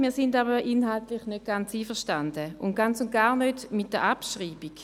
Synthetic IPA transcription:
miːɐsɪndaːbəʔɪnɦaltlɪχnøt̚ɡ̥ant͡siːfəɐʃtand̥əʊntɡ̥ant͡sʊnt̚ɡ̥aːɐnødmɪt̚d̥əʔapʃʁiːbik

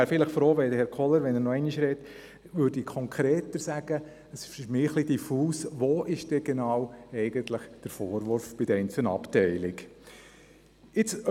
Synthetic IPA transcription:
æːɾfɪləχfɾoːʋɛdəhɛɾkʰɔləɾʋɛnəɾnɔɛɪniʃɾɛt | ʋʏːɾdikʰɔŋkʰɾeːt̪əɾsæɡ̥ə | əsʃmɪːχlid̥ifuːsʋoːʔɪʃd̥ɛɡ̥enɑːwɛɪɡ̥ənt̪ləχd̥əɾfoːɾʋʊɾfb̥ɪdɛɪnt͡sənɑ̰ptɛɪlɪk | ɪt͡s

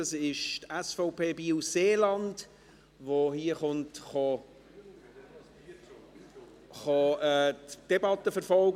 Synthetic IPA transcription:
ɑsɪʃtæsfɔʊpʰeːbiːuseːlɑnd | vohiːəχʊntχɑ | χɑɛːtd̥ɛbɑtəfəɾfɔlɡ

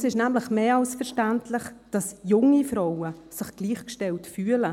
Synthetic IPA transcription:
sɪʃnæmlɪχmeːɑlsfɛɾʃtæntʰlɪχd̥ɑsjʊŋifɾawəsɪχɡ̥liːχkʃtɛltfyːələ

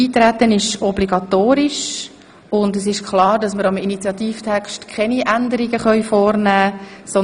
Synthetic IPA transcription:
iːt̪ɾæt̪ənɪʃɔbliɡɑt̪oːɾɪʃ | ʊndəs̬ɪʃkχlɑːɾdɑsməɾɑminit͡sjɑt̪iːftʰɛkʃtkʰɛniʔændəɾiɡəχœʏfɔːɾnæːsɔ

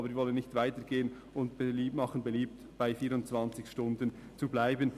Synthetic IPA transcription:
bəɾvɔlənːɪçtv̥aɪtəɡeːən | ʊntb̥eliːmɑχənbeliːp̚t | b̥aɪfiːɾʊnt͡sv̥ant͡sɪçʃtʊndən | t͡sublaɪbən

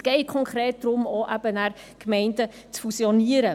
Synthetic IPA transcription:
sɡ̥ɛɪkʰɔŋkɾeːt̚d̥ɾʊmoʔæb̥ənæɾ | kmɛɪndə | t͡sfusioniəɾə

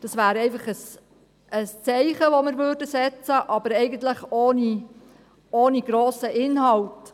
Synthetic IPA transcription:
d̥ɑsʋæːɾɛɪfɑχəs | əst͡sɛɪχəʋɔmɪɾʋørdəsɛt͡səʔɑbəɾɛɪɡənt̪ləχoːni | oːniɡ̥ɾoːsəʔɪnɦɑlt

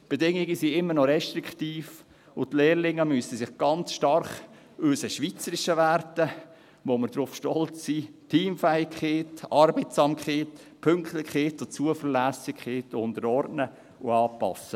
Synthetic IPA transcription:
b̥edɪŋːɪɡəsiɪmːəɾnɔɾɛʃtɾiktiːf | ʊtleːɾlɪŋːəmysəsɪχɡ̥ɑnt͡sʃtɑɾχ | øsəʃʋiːt͡səɾɪʃəʋæɾtə | ʋoməɾd̥ɾʊfʃtɔlt͡ssiːtʰiːmfæɪkχeːtɑɾbeɪtsɑːmkχeːtpʰʏŋktlɪçχeːtot͡suəfəɾlæsɪkχeːtʊndəɾɔɾdnə | ʊɑːpɑ̰sə

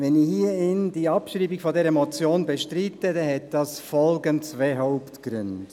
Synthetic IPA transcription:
vɛnɪhiːɪnd̥iːɑpʃɾiːbɪɡ̥fɔdɛːɾɛmot͡sjoːnbɛʃtɾitədɛhɛt̚d̥ɑsfɔlɡənsveɦɔʊptɡ̥ɾʏnd

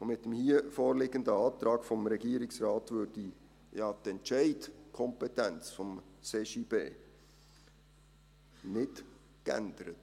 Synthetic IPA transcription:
omɪt̪̚dəmhiːəfɔːɾlɪɡəndəɑːt̪ɾɑːɡ̥fɔmɾɛɡiːəɾɪksrɑːtʋøːɾdi | jɑːt̪ɛntʃɛɪdkʰɔmpɛtænt͡sfɔm | seʃiːb̥ḛː | nɪt | kæ̰nd̪əɾət

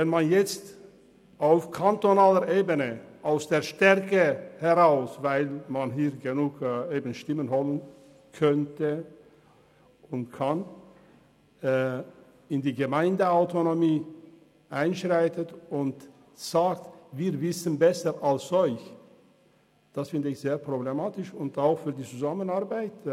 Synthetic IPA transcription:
vɛnmanjɛt͡st | ʔaʊfkʰantonaːləʔeːbənəʔaʊsd̥eːɐʃtɛʁkəhɛʁaʊsvaɪlmanɦiːɐɾɡənuːkeːbn̩ʃtɪmənhɔlən | kʰœntə | ʊntkʰan | ɪndiːɡəmaɪndəaʊtonomiː | ʔaɪnʃʁaɪtətʊnt | z̥aːk̚tviːɾvɪsən̩bɛsəʔalsɔʏç | d̥asfɪndəɪçz̥eːɐpʁ̥oblemaːtɪʃʊntaʊxfyːɐdiːt͡suzamənaɐbaɪt

